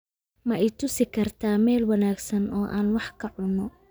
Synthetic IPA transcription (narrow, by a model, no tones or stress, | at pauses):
mɐɛjt̪ʰʊsɪkʰɐrt̪ʰaːmɛːlwɐnaːɡsɐnɔːʔa̰ːnwɑħkʰɐʕʊnːɔ